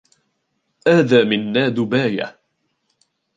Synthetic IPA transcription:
ʔaːðaːmɪnːaːd̪ʊbaːja̰

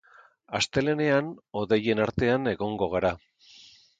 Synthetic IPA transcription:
ast̪e̞le̞ne̞ano̞ðe̞je̞naɾt̪e̞ane̞ɣo̞ŋɡo̞ɣ̞aɾa

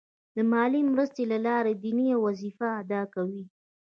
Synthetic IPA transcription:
d̪əmɑlimɾəst̪elalɑɾed̪iniawwazifaːd̪ɑkawi

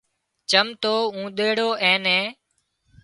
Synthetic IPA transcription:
t͡ʃəmt̪oːũːɗ̪eːɽoːʔɛ̃ːnɛ̃ː

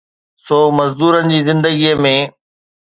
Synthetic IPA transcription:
soːmɐzd̪uːɾənɪ̆d͡ʑiːzɪ̃nd̪əɡiːəmẽ

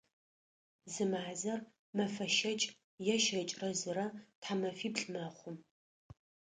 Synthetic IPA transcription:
zɨmazɐr | mɐfɐʃɐt͡ʃʼ | jɛʃɐt͡ʃʼrɐzɨɾɐtħamɐfiːpɬʼmɐχʷʊm

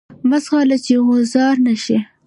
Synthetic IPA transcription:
mazxɑlat͡ʃeɣʊzɑɾnaʃi

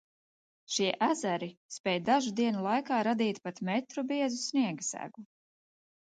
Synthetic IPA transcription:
ʃiɛʔæzæɾispɛjd̪aʒud̪iɛnulˠajkaːɾad̪iːt̪pat̪mɛt̪ɾubiɛzusniɛɡsæ̰ɡu

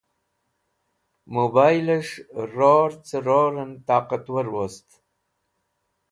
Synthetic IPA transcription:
mobajlaʂɾoɾt͡səɾoɾənt̪ɑːqat̪wəɾwost̪

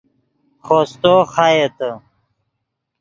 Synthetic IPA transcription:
χoːst̪oːxajet̪ə

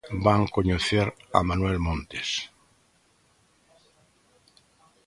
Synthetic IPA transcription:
baŋkoɲoθeɾa̰mãnwelmõnt̪es

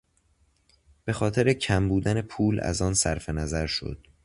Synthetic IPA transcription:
b̥e̞xɒːt̪ʰeɾecʰæmbuːd̪æne̞pʰuːlæ̰zɒːnsæɾfe̞næzæɾʃo̞̰d̪̥

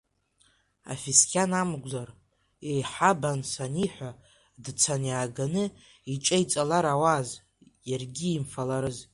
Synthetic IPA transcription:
a̰fiskʲʰanamɡʷzar | ejħabansaniħʷa | dt͡sʰanjaːɡanɨ | it͡ʃʼejt͡sʼalaɾawaz | jarɡʲiːmfalaɾɨz

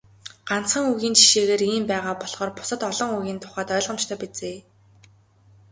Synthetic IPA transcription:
ɢ̥an̥t͡sχə̆ŋuɣiːnt͡ɕʰi̥ʃeːɣeːɾiːmpæːʁaːpɔɮχɔːrpʊ̥sə̆t̪ɔɮɞ̆ŋuɣʲiːnt̪ʰʊ̥χæːt̪œːɮʁə̆mt͡ɕt̪ʰœːpit͡seː

